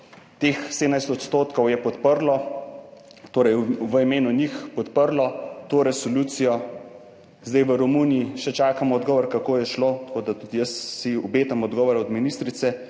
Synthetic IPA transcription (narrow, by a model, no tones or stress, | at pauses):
t̪exseːd̪ənajst̪ɔt̪st̪oːt̪kɔwjɛpɔt̪pəɾlɔ | t̪oːɾɐjʋəimeːnunixpɔt̪pəɾlɔt̪oːɾɛsoluːt̪sijɔ | zd̪ɛjʋəɾɔmunijiʃɛt͡ʃaːkamɔːd̪ɡɔːʋɔɾkakoːjɛʃlot̪ɐ̥koːd̪at̪ud̪ijəsːiɔbeːt̪amɔd̪ɡɔːʋɔɾɛɔd̪minist̪ɾit̪sɛ